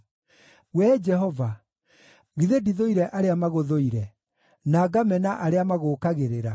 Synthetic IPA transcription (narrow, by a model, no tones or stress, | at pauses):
wɛːd͡ʒɛɦɔva | ɣiðediðoiɾɛʔaɾeamaɣoðoiɾɛ | naːɡamɛnaʔaɾeamaɣoːkaɣeɾeɾa